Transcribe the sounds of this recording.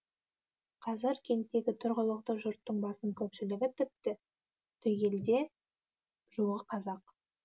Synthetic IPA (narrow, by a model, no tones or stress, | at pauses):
qʰɑzɪɾkʲʰe̞nt̪ːe̞ɡʲɪt̪ʰʊɾʁəlˠəqt̪əʒʊɾt̪ːəɴbɑsəŋkʲʰɵpʃɪlɪɡʲɪt̪ʰʏp̚t̪ɪ | t̪ʰɵjɡʲe̞ld̪e̞ | ʒ̥uʁəqʰɑzɑq